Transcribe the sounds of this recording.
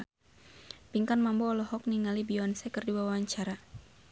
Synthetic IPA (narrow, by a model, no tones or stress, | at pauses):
piŋkanmambɔːlɔhɔk̚niŋalibiɔansɛkərdiwawaaɲt͡ʃaɾa